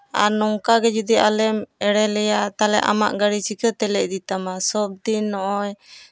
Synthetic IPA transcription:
a̰nɔŋkaɡɛd͡ʒud̪iʔalɛmɛɽɛlɛjat̪alɛ̰ʔa̰ma̰ʔɡaɽit͡ʃikət̪ɛlɛʔd̪it̪amasɔb̚d̪inːɔʔɔj

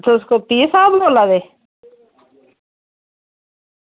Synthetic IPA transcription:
t̪ʰoskopiːsaːblolad̪e

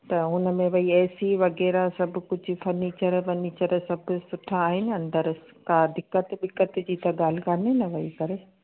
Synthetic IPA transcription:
t̪ɐɦʊnə̆mẽʋɐiɛːsiʋɐɣɛːɾasɐbʱʊ̆kʊd͡ʑʱʊ̆fɐɾniːt͡ɕəɾʋɐniːt͡ɕəɾsɐbʱʊ̆sʊʈʰaːɦɪnɪ̆ɐ̃nd̪əɾs | kãd̪ɪkːət̪bɪkːət̪d͡ʑiːt̪ɐɠaːl̤ɪkaːnenɐʋɐikɐɾe

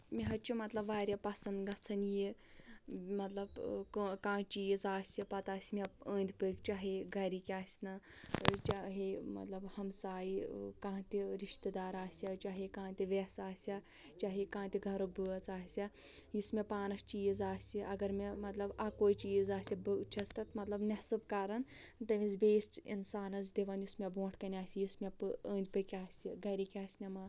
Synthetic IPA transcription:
mʲiɦɐt͡ʃimɐt̪lɐbʋaːɾʲapɐsɐnd̪ɡɐt͡sʰɐnji | mɐt̪lɐbkːkãːt͡ʃiːzaːsʲipɐt̪aːsʲimʲeə̃ːnʲd̪ʲʰpɨːkt͡ʃaɦiɡʱɐɾikʲaːsʲnɐ | t͡ʃaɦimɐ̰t̪lɐbhɐmsaːjikãːt̪ʲiɾiʃt̪ɨd̪aːɾaːsʲat͡ʃaɦikãːt̪ʲiʋesaːsʲat͡ʃaːɦikãːt̪iɡʱɐɾok̚bɨɐt͡saːsʲa | jismʲepaːnɐst͡ʃiːzaːsʲiʔɐɡɐɾmemɐt̪lɐbakoːjt͡ʃiːzaːsʲibɨt͡ʃʰɐst̪ɐt̪mɐt̪lɐbnɐsɨbkaːɾɐnt̪ɐmizbeːsḭnsaːnɐzd̪iʋɐnjusmʲebõːʈʰkɐnʲaːsʲijismʲepɨəːnʲd̪ʲpɨkʲaːsʲiɡɐɾikʲaːsʲnʲɐma

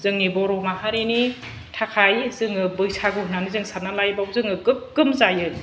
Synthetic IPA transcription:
zɯŋːibɔɾɔmaɦaɾini | tʰakʰajzɯŋɯbɯjsʰaɡɯhunanizɯŋsanalajbawzɯŋɯɡɯp̚ɡɯmzajɯ

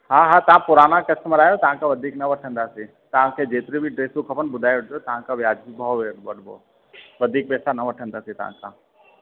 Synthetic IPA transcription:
ɦãɦat̪ɐʋãpʊɾaːnakɐstmɾaːjot̪ɐʋ̤ãkʰãʋɐd̪ʱiːknɐʋɐʈʰə̃nd̪aːsi | t̪ɐʋ̤ãkʰed͡ʒeːt̪ɪɾibʱiɖɾeːsũkʰɐpənbʊd̪ʱaːjʋɐʈʰd̪jot̪ɐʋãkʰaʋjaːd͡ʒibʱəoʋeɽʋɐɽbo̰ | ʋɐd̪ʱiːk̚pɛːsanɐʋɐʈʰə̃nd̪aːsĩt̪ɐ̰ɦã̰kʰa

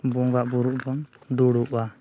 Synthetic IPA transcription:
bɔŋɡaʔbuɾuʔbɔnduɽuʔa

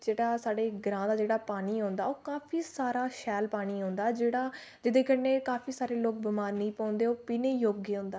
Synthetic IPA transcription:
d͡ʒeːɽaːsaːɽeːɡɾãːd̪aːd͡ʒeːɽaːpaːɽiːɦõːnd̪a̰ːoːkaːpʰiːsaːɾaːʃɛːlpaːɽ̃iːɦõːnd̪aːd͡ʒeːɽaː | d͡ʒɪd̪ẽːkənẽːkaːpʰiːsaːɾeːloːk̚bəmaːɾnĩːpɔ̃ːnd̪eːoːpiːneːjoːɡeːõːnd̪aː

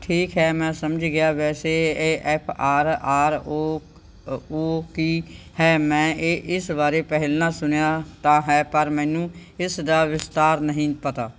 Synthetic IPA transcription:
ʈʰiːkɦɛːmɛ̃ːsəməd͡ʒɡɪjaːʋɛːseːʔɛːpʰaːɾaːɾoː | oːkiː | hɛːmɛ̃ːeːʔɪsbaːɾeːpɛɦɪlnaːsʊnjaːt̪ãːɦɛːpəɾmɛ̃ːnũːɪsd̪aːʋɪst̪aːɾnəɦĩpət̪aː

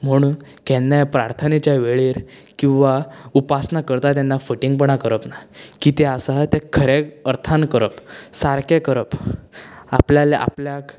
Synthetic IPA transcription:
m̤əɽ̃uːnkɛnːjapɾaɾt̪ʰənet͡ɕjaʋeɭiːɾkĩw̃ʋaupasnakəɾt̪at̪jɛnːafuʈiŋɡpəɳakəɾəpnakit̪easat̪ekʰəɾeəɾt̪ʰankəɾəpsaɾkekəɾəp | a̰pljaleʔa̰pljak

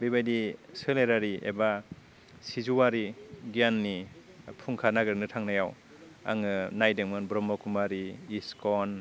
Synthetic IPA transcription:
bibajdisɯleɾaɾiʔḛba | sizuwaɾiɡijanːi | pʰuŋkʰanaɡɯɾnɯtʰaŋnajaw | a̰ŋɯnajdeŋmɯnbɾɔmɔkumaɾiːskɔn

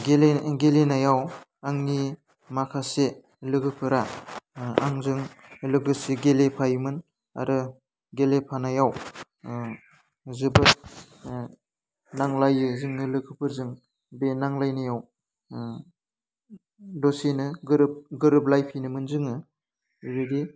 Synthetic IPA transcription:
ɡeleɡelenajawaŋni | makʰase | lɯɡʰɯpʰɯɾa | a̰ŋzɯŋlɯɡɯsiɡelepʰajmɯn | a̰ɾɯ | ɡelepʰanajaw | zɯbɯt̚ | naŋlajɯzɯŋnɯlɯkʰɯpʰɯɾzɯŋ | benaŋlajnajaw | dosinɯɡɯɾɯp̚ɡɯɾɯp̬̚lajpʰinɯmɯnzɯŋɯ | ɾɯdi

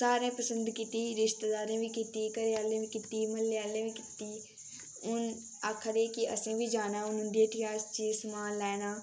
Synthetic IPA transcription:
saːɾẽːpəsə̃nd̪kit̪iːɾɪʃt̪d̪aːɾẽːʋiːkɪt̪iːkəɾeːaːlẽːʋiːkɪt̪iːməlːejaːlẽːʋiːkɪt̪iː | ʊn | aːkʰəɾeːkɪʔə̰sẽːʋiːd͡ʒaːnaːʊnʊnd̪eːʈʰijaːst͡ʃiːsmaːnlɛːnaː

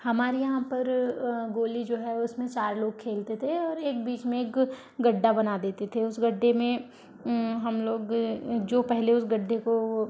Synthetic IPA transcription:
hɐmaːɾijɐɦãpɐɾɡoːlid͡ʒoːɦɛʊsmẽt͡ʃaːɾloːɡ̚kʰeːlt̪et̪ʰeɔːɾeːkbiːt͡ʃmẽeːk | ɡɐɖːabɐnad̪eːt̪et̪ʰeʊsɡɐɖːemẽ | ɦɐmloːɡd͡ʒoːpɛɦleʊsɡɐɖːeko

